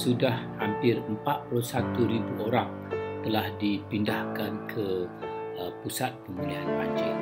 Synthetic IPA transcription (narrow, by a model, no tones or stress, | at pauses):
sudahhampɪrəmpaʔ̪̚pulusat̪uɾibuʔoɾaŋ | t̪əlahdipindahkankʰə | əpusat̪̚pəmulianpaɲd͡ʒḭ